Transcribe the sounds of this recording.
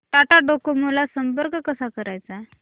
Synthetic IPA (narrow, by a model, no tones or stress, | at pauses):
ʈaʈaɖokomulasəmpəɾkəkəsakəɾajt͡sa